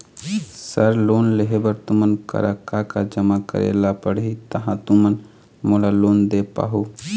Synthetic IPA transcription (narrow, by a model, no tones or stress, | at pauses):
səɾlonleɦebəɾt̪umənkə̰ɾakakad͡ʒəmakə̰ɾḛlapəɽit̪əɦãt̪umən | molaloːnd̪epa̰ɦu